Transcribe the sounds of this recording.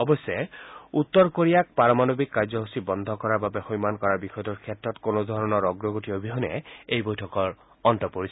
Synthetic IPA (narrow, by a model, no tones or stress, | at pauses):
ɔbɔsɛut̪ːɔɹkoɹijak̚paɹɔmanobikːaɹzɔɦusibɔnd̪ʱɔkɔɹaɹbabɛxɔjmankɔɹaɹbixɔjɔdɔɹkʰɛtɹɔtkonod̪ʱɔɹɔnɔɹɔɡɹɔɡotiɦobiɦɔnɛ̰ejbojtʰɔkɔɹ | ɔntɔpoɹisʰɛ